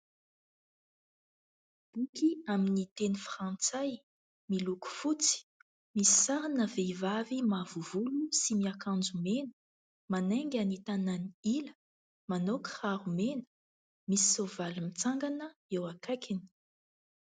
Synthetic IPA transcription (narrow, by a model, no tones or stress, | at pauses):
b̥ukiaminit̪enifrãnt͡saj | miluku̥fut͡si̥ | misi̥saɾanəvevavimavuvulusimiakãnd͡zumenə̥ | maneŋɡʲanit̪ananiilə̥ | manokə̥haɾumenə̥ | misi̥sovalumit͡saŋɡanəewakakini̥